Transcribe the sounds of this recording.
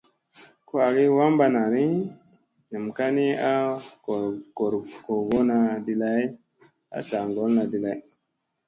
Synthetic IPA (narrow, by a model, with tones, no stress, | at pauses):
ko˦a˨ɡi˦wa˦mba˦na˨ɾi˦ | nɨ˨mka˦ni˦a˦˨ | ɡo˨ɾko˨ɡo˦na˧di˦la˦j | a̰˨˦sa˨ŋɡo˦lna˨di˨la˨j